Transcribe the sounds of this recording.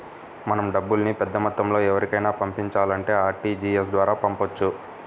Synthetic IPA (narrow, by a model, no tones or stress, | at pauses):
mɐnɐmɖɐbːulnipɛd̪ːɐmɐt̪ːɐmlo̞ːɛʋɐɾikɐjnaːpɐmpiɲt͡ʃaːlɐɳʈe̞ːaːɾʈiːd͡ʒiesd̪ʋaːɾaːpɐmpot͡ʃːu